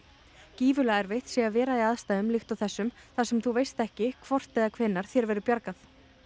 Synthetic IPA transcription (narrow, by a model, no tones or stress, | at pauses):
ciːvʏlaɛɾvejht̪sɛavɛːɾaiaðst̪aːðʏmlɪxt̪awθɛsːʏmθasɛmθuvejst̪ɛhcɪkʰvɔr̥t̪ɛðakʰv̥ɛnːaɾ̥θjɛɾvɛɾʏɾpjaɾkaθ